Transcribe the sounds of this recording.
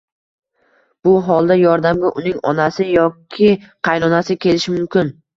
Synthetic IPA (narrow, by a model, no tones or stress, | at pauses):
b̥ʊɦɒlˠd̪ajɒɾd̪amɡʲaʔʊnɪŋɒ̰nasɪjɒkʲʰɪqʰɑjnɒnasɪkʲʰe̞lɪʃɪmʊmkʲɪn